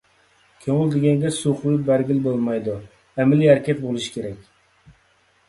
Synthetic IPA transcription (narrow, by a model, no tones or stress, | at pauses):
kʲʰøŋɪld̪ɪɡʲɛŋɡʲɛsuqlɪbæɾɡʲilbolˠmɑjd̪ʊ | æmɪliæɾkʲɛt̪bolˠɪʃi̥kʲeɾɛkʲ